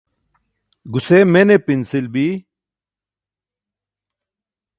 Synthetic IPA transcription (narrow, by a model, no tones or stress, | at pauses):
ɡusemenepinsilbi